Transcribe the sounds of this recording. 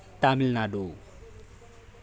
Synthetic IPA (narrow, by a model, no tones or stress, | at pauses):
t̪amilnaɖo